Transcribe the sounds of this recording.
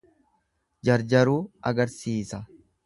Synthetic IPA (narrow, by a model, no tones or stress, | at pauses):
d͡ʒɐɾd͡ʒɐɾuːɐɡɐɾsiːsɐ